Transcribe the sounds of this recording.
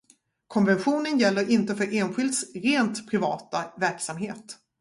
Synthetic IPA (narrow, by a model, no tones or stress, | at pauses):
kʰɔnvɛnɧuːnənjɛlːəɾʔɪnt̪əfœɾʔeːnɧɪlt̪sɾeːnt̪pʰɾɪvɑːt̪avæɾksamɦeːt̪